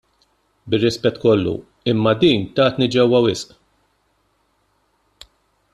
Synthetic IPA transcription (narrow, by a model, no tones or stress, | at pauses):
bɪrːɪspɛt̪ːkɔlːṵ | ɪmːɐd̪iːnt̪ɐːt̪nid͡ʒɛwːɐwɪsʔ